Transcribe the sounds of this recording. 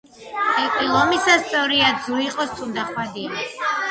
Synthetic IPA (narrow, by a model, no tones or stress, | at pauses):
ɛkʼilˠɔmisast̪sʼɔvɾiad̪zuiqʼɔst̪sʼund̪aχwad̪ia